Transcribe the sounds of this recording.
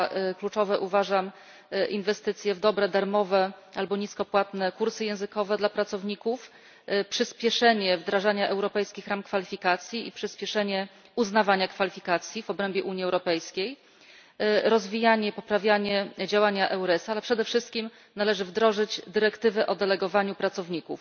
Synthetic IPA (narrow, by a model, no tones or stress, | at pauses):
klut͡ʂɔvɛʔuvaʐam | ʔinvɛst̪ɘt̪sʲjɛvd̪ɔbɾɛd̪aɾmɔvɛalbɔɲiskɔpwat̪nɛkuɾsɘjɛ̃w̃zɘkɔvɛd̪lapɾat̪sɔvɲikuf | pʂɘspʲjɛʂɛɲɛvd̪ɾaʐaɲaʔɛwɾɔpɛjskʲixɾamkfalʲifʲikat̪sʲjiipʂɘspʲjɛʂɛɲɛ | uznavaɲakfalʲifʲikat̪sʲjivɔbɾɛmbʲjɛʔuɲjiɛwɾɔpɛjskʲej | ɾɔzvʲijaɲɛpɔpɾavʲjaɲɛd͡ʑawaɲaʔɛwɾɛsalɛpʂɛd̪ɛfʂɘst̪kʲim | nalɛʐɘvd̪ɾɔʐɘd͡ʑd̪ɘɾɛkt̪ɘvɛʔɔd̪ɛlɛɡɔvaɲupɾat̪sɔvɲikuf